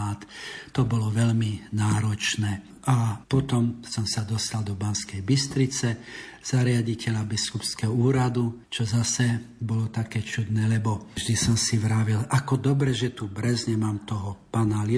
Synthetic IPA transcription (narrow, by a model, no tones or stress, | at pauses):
aːt̪t̪ɔbɔlɔʋɛlminaːɾɔt͡ʃnɛː | ʔapɔt̪ɔmsɔmsad̪ɔst̪ald̪ɔbanskɛjbist̪ɾit͡sɛz̥aɾɪaɟicɛʎabiskupskɛɦɔuːɾad̪ut͡ʃɔzasɛbɔlɔt̪akɛːt͡ʃud̪nɛːlɛbɔʒd̪isɔmsiʋɾaːʋilakɔd̪ɔbɾɛʒɛt̪ubɾɛzɲɛmaːmt̪ɔɦɔpanali